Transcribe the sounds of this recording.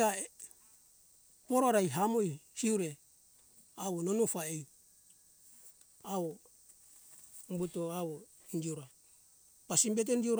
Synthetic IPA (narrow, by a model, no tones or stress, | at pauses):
a | poɾoɾajɦamojhiuɾe | awononufaej | awo | mbutoawo | ind͡ʒiuɾa | pasimbet̬end͡ʒiuɾ